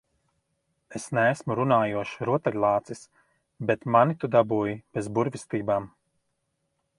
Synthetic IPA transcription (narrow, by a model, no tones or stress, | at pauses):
esnæːsmuɾunaːjuɔʃiɾuɔt̪ɛɡlˠaːt̪sis | bet̪manit̪ud̪abuːjib̥ezbuɾvʲist̪iːbaːm